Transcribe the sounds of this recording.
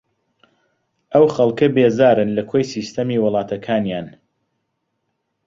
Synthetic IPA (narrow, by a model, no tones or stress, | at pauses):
ʔɐwxɐlˠkɐbeːzaːɾɨnlɐkʰojsiːst̪ʰɐmiːwɨlˠɑːt̪ʰɐkʰaːnjaːn